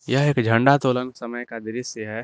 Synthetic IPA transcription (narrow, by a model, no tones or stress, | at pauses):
jəɦeːkd͡ʒʱə̃ɳɖat̪oːlənsəməjkad̪ɪɾɪsəɦɛ